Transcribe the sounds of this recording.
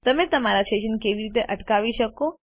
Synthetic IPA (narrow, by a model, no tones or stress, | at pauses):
t̪əmet̪əmaɾasʈeʃənkeʋiɾit̪eʔəʈkaʋiʃəko